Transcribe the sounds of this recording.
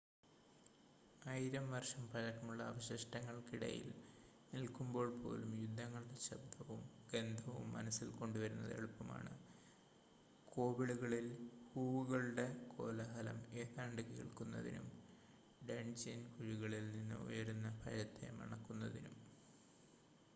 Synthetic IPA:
ɐjɾɐmʋɐrʂɐmpɐɻɐkːɐmuɭːɐːʋɐɕɐʂʈɐŋːɐɭkiɽɐ̰jḭl | nilkːumbo̞ːɭpo̞̰ːlumjud̪ʱːɐŋːɐɭɨɽeɕɐbd̪ʱɐʋumɡend̪ʱɐʋṵmːɐnɐsːilko̞ɳɖuʋɐɾunːɐ̰ðḛɭupːɐma̰ːɳɨ | kʰo̞ːbiɽuɣɐɭilhuːʋuɣɐɭɨɖe̞kʰo̞ːlɐɦɐlɐ̰meːðaːɳɖɨkḭɭkunːɐ̰ðḭnṵm | ɖeɳd͡ʑinkuɻiɣɐɭilninːɨ̰ṵjɐɾunːɐpɐ̰ɻɐt̪ːḛmɐ̰ɳɐkːunːɐðinum

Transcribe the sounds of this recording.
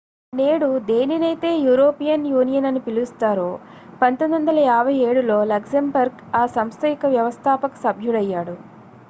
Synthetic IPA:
ne̞ːɽud̪e̞ːninɐjt̪e̞ːjuːɾoːpijɐnjuːnijɐnɐnipilust̪aːɾoː | pɐnt̪ond̪ɐnd̪ɐlɐjaːbʱɐje̞ːɽulo̞ːlɐksɐmbɐɾɡ | aːsɐmst̪ɐjikɐʋjɐʋɐst̪ʰaːpɐku̥sɐbʱjuɽɐjːaːɽu

